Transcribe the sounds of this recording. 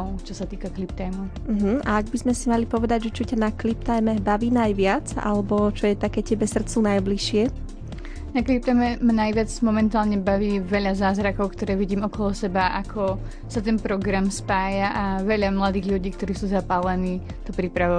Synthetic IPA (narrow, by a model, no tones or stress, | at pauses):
ʊt͡ʃɔsat̪iːkaklip̚t̪ajmɔʊm̩ɦm̩aaɡbizmɛsimalipɔʋɛd̪aɟʒɛt͡ʃɔcanaklip̚t̪ajmɛbaʋiːnajʋɪad͡za̰lɛbɔt͡ʃɔjɛt̪akɛːcɛbɛsr̩t͡sunajbliʃɪɛ | naklip̚t̪ajmɛmanajʋɪad͡zmɔmɛnt̪aːlɲɛbaʋiːʋɛʎazaːzɾakɔʊkt̪ɔɾɛːʋiɟiːmɔkɔlɔsɛbaʔakʰɔ | sat̪ɛnpɾɔɡɾamspaːjaʔaʋɛʎamlad̪iːɣʎuɟiːk̚t̪ɔɾiːsuːzapalɛniː | t̪ɔpɾipɾaʋɔ